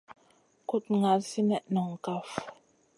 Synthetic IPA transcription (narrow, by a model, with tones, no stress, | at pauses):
ku˦t̚ŋa˨˦lsi˦nɛ˦˨ʔnɔ˨ŋ̩˨ka˨f